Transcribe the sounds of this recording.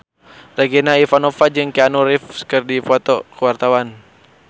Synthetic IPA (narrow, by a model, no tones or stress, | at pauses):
raɡenaifanɔfad͡ʒɨŋkeanuɾifkɨrdipɔt̪ɔkəwart̪awan